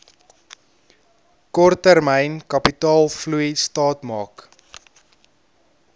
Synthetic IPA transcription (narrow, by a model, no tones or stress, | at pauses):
kɔrtːərmɛjnkɐpitɑːlˠflujstɑːtmɑːk